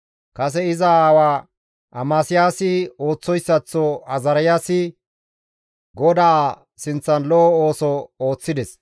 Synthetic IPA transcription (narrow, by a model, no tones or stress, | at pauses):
kɐs̬ɛɪzɐaːwaː | ʔɐmaːsɪjaːsɪo̞ːt͡sːɔjsːɐt͡sːɔɐzɐɾɐjaːsɪ | ɡɔd̪aa | sɪnt͡sːɐnlɔɔo̞ːsɔoːt͡sːɪd̪ɛs